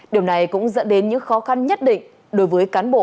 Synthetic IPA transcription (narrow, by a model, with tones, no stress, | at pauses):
ɗi˨˩əwna˨˩jkʊ̰˧˥ŋ͡mzə̰˧˥nɗe˨˦nɲɨ̰˧˥ŋxɔ˨˦xa˧nɲə˦˥t̚ɗḭ̈˧˨ŋ̟ | ɗo˨˦jvəː˨˦jkaː˨˦nɓo̰˧˨